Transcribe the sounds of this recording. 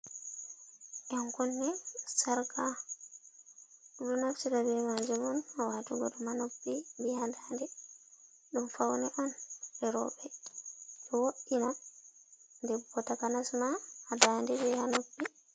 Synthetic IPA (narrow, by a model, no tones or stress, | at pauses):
ʔɛŋkɔnːɛsaɾka | dunafsiɾabɛmaɲd͡ʒumɔnawaːtuɡɔɗɔmanopːibihadandɛ | ɗumfawnɛʔanɗɛɾɔ̰ɓɛ | ɗɔwoʔina | ndɛbɔtakanasmaːdandɛdɛhanopːi